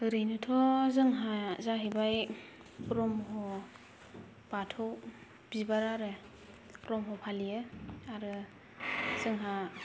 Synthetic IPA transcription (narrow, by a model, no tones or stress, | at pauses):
ɯɾɯjnɯtʰɔzɯŋɦazaɦebaj | pɾɔmɦɔ | b̥atʰɔw | b̥ibaɾaɾɯ | pɾɔmɦɔpʰalijɯaɾɯ | z̥ɯŋɦa